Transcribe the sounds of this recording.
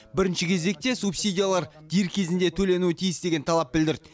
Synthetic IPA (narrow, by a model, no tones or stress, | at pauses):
bɪɾɪnʃɪkʲʰe̞ze̞k̚t̪e̞supsʲijd̪ʲijalˠɑɾd̪ijɾkʲʰe̞zɪnd̪e̞t̪ʰɵle̞nuɪt̪ʰijɪsd̪e̞ɡʲe̞nt̪ʰɑlˠɑp̚bɪld̪ɪɾd̪ɪ